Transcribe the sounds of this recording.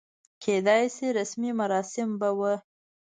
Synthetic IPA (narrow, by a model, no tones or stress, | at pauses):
kʰed̪ɑjsiɾasmimaɾɑsɪmbawə